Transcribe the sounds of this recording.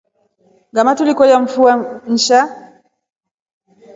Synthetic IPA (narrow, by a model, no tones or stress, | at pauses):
ɡamatulikɔjaɱ̩fuan̩ʃa